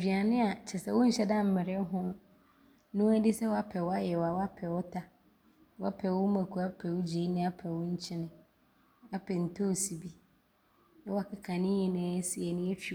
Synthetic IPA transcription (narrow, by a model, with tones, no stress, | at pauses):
bi˨a˨nɪ̃˦a˨t͡ɕʰɛ˨sɛ˦wʊ̃˦ɲ̩˦ɕɛ˦dã˦˨m̩˦mɪ̃˨ɾɪ˦ɦʊ̃˦ | nʊ̃˦æ˦dɪ˦sɛ˦wɔ˦a˦pʰɛ˨wɔ˦a˦jɛ˨wa˨wɔ˦a˦pʰɛ˨wɔ˦tʰa˦ | wɔ˦a˦pʰɛ˨wʊ˦mã˨kʰu˨a˦pʰɛ˨wʊ˦d͡ʑe˨˦i˦nɪ̃˦a˦pʰɛ˨wʊ̃˦ɲ̩˦t͡ɕʰɪ˦nɪ̃˨ | a˦pʰɛ˨n̩˨tʰo˦˨si˨bi˦ | a˦wa˦˨kʰɪ˦kʰã˨nɪ̃˦jɪ˨nɪ̃˨˦sɪ˨ɛ˨nɪ̃˦ɛ˦fᶣi˨